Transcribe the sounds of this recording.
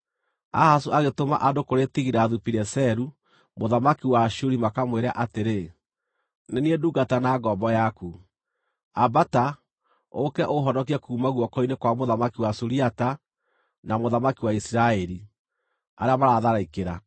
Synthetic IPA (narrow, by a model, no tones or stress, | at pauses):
a̰hasuaɣetoma̰ʔadokoɾetiɣiɾaːðupiɾɛsɛɾu | moðamakiwaʃuɾimakamweɾeaʔateɾe | nenieduɡatanaːɡɔmbɔjaku | abata | okɛʔoɦɔnɔk̬iakuːmaɣwɔkɔinekwamoðamakiwasuɾiata | namoðamakiwaisiɾaɛɾi | a̰ɾeamaɾaðaɾaikeɾa